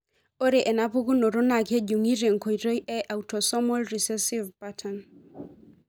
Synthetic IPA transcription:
o˦ɾe˨ʔɛ˨na˦bu˦ɡu˦no˨ɾo˦na˨ke˦d͡ʒu˨ŋi˦ɾe˨ŋko˨jɾə˦jʔɛ˦ʔa˨wtɔ˨sɔ˦mɔ˦lɾi˨sɛ˦si˦vpatʰa˨n

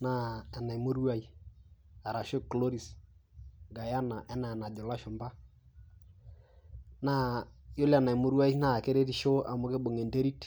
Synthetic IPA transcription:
na˦ɛ˨na˨i˨mo˦ɾu˦a˦i˦ | a˨ɾa˨ʃo˦klo˦ɾi˨s | ɡa˨ja˦na˨ʔɛ˦na˨ɛ˨na˨dɔ˨la˦ʃɔ˨mba˦ | na˦jo˦la˨na˨i˨mo˦ɾwa˦i˦na˦˨ke˦ɾe˦ɾi˦ʃo˦ʔa̰˨mʊ˦ke˦bo˨ŋe˨nde˦ɾi˦t

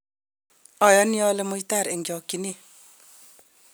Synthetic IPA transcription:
ɔ˨jɔ˦nijɔ˦le˦mʊ˦jta˦˨ɾe˨ŋɡjɔ˨kːini˦

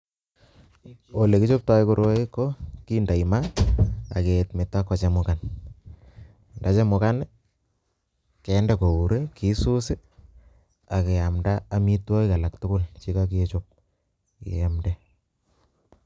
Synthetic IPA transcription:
o˨le˨ki˦t͡ʃo˦p̚ta˦i˦ku˦ɾʔo˦i˦ko˦ki˦nda˨ima˦a̰˨ke˨tme˨tːa˦kːɔ˨t͡ʃe˦mʊkan˨ | nda˨˦t͡ʃe˦mʊ˨ka˦n | kɛ˨ndɛ˦ko˨u˨ɾe˦ki˨su˦se˦ | a˨ke˨ja˨mdaː˦mi˦twa˦i˦ka˨la˨ktʊ˦kʊ˦lt͡ʃi˦ka˦k̬e˦t͡ʃop̚ | ḛ˨amdɛ

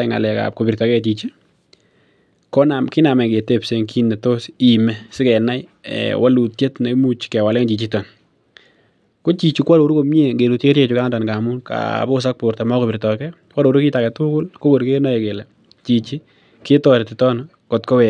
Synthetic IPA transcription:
ŋa̰˨lɛ˨ka̰˨p̚ko˨pi˨ɾtɔ˨kɛ˦˨t͡ʃi˨t͡ʃi˦ | kɔ˦na˨mkɪ˦na˨mɛ˨ɡe˨te˦˨pse˨ŋki˦nːe˨to˦si˨mɛ˦sɪ˦kɛ˨na˦j̰wʔa˦lu˨tje˦tna˨˦mu˦t͡ʃkɛ˨wa˨lɛ˦ŋt͡ʃi˨t͡ʃi˦tɔ˨n | ko˦t͡ʃi˨t͡ʃu˨kwa˦ɾo˨ɾu˦ko˨me˦ŋɡe˨u˨te˦kːe˦ɾe˦t͡ʃʊ˦ka˦ŋ˦da˨nɡa˨mu˦nka̰˨bɔ˦˨s̬a˦k̚pʊ˨ɾta˨ma˦ko˨pi˨ɾtɔ˨kɛ˦ | kwa˦ɾo˨ɾu˦kɪ˦ta˨kɛ˨tu˦kʊ˦lko˦ɡo˨ɾke˦nɔ˦ɛ˨ɡe˨lɛ˨ | t͡ʃi˨t͡ʃi˦ | kɪ˦tɔ˦ɾe˨tɪ˨tɔ˦n | kɔ˨tkɔ˦wɛ˨

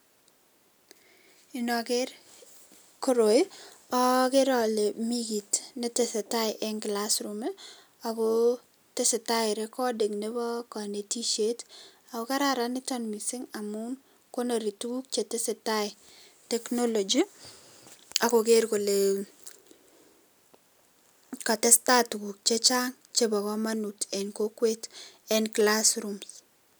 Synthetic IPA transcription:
i˨nɔ˨keɾ | ko˦ɾo˨jɔ˦ke˦ɾɔ˨le˨miɡi˨tne˦te˨se˨ta˦ɪʔɛ˦ŋɡlasɾume | a˨ko | te˦se˨taɪ˨ɾekɔ˦de˨knebɔ˦kɔ˨ne˨ti˦ʃet | a˨ko˦ka˦ɾaɾanɪ˦tɔnmi˨sɪ˦ŋa˨mʊ˦n | ko˦na˨ɾi˨tuɡu˦k̚t͡ʃe˨tɪ˦sɪ˨tajtɛ˦kno˦lo˨d͡ʒi | a˨ko˨ke˦ɾko˨le˨ | ka˨tɛ˦sta˦tɡu˨k̚t͡ʃe˦t͡ʃa˦ŋ | t͡ʃe˦bɔ˨kɔ˦manu˨tɛ˨nko˦kwe˦tɛnklasɾums

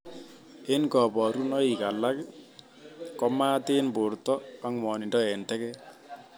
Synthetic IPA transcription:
e˦nkɔ˨bɔ˨ɾu˦nɔ˦i˨ka˨la˦k | kɔ˦maː˦t̪e˦nbo˨ɾt̪ɔ˦a˦ŋmɔ˨ni˨ndɔ˦entɛ˦kɛ

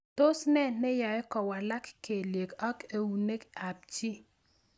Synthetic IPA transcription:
to˦snɛ˦˨nɪ˦jɔ˨ɪ˦kɔ˨wa˨la˦kke˨lje˨kɔ˦ke˨wu˨ne˦ka˨p̚t͡ʃi˦

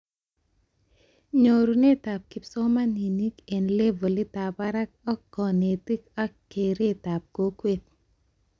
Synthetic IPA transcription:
ɲo˨ɾu˨ne˦ta˨p̚kɪ˨psɔ˦ma˦ni˨ni˦ke˨nle˦vɔ˨li˦ta˨pa˦ɾa˦k̚ɔ˦kːɔ˨ne˨ti˦ka˦kːe˨ɾe˦ta˨p̚ko˦kwet̚

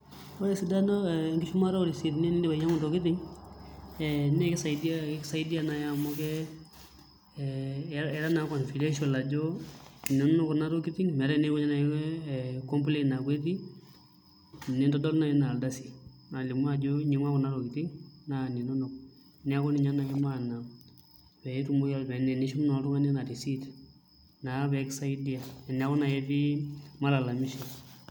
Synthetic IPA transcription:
ɔ˦ɾɛ˦sɪ˨da˦nɔ˦ɛ˨ŋɡɪ˦ʃu˦ma˦ɾɔ˦ɔ˦ɾi˨si˦tnɛ˦nɪ˦ndɪ˦ba˨˦ɲa˦ŋʊ˨tɔ˨kɪ˦tɪ˦ŋ | ɛ˨n˦ɛ˦kɪ˦sa˨ɪ˦dia˦ksa˦ɪ˦di˦a˦na˨ja˨mɔ˦kɛ˦ | ɛ˦ɾa˦na˨˦kɔ˨nfi˨de˦ʃ̬ɔ˨la˨d͡ʒɔ˦˨ni˨nʊ˦nʊ˦kɔ˨na˦ɾɔ˦kɪ˦tɪ˦ŋmɛ˨ɾɛ˦ne˦kɔ˦ɲa˦na˨˦ɛ˦˨kɔ˦mp̬le˦na˨kwe˦ti˦˨ | nɪ˦ndɔ˦dɔ˦lna˨ɛ˦na˨lda˦si̥˨ | na˨li˨mwa˦˨d͡ʒo˦ɲi˨ŋa˦kɔ˨na˦ɾo˨ki˨ti˦ŋna˨ni˨nɔ˦nɔ˨k̚ | nɪ˨a˦kɔ˦ni˨˦ɲa˦na˨i˦ma˦na˨ | pɛ˨i˦tu˨mu˦jɔ˦lbɛ˨nɛ˨ni˦ʃu˦mnɔ˨˦ɾu˦ŋa˦ni˦na˨ti˨si˦t | na˨βɛ˨˦ksa˦i˦di˦a˨ɛ˨nɪ˦a˦kɔ˦na˨jɛ˦ti˦ma˦la˨la˨mi˦ʃɔ˨

